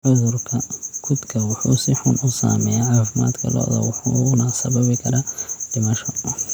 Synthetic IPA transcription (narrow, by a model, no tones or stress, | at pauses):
ʕʊðʊrkʰɐkʰʊd̪kʰɐwʊħuːsɪħʊnʊsa̰ːmɛːjaːʕaːfɪma̰ːd̪kʰɐ̰lɔ̰ːðɐ̰wʊħunɐsɐbɐβɪkʰɐɾad̪̥ɪmɐʃɔ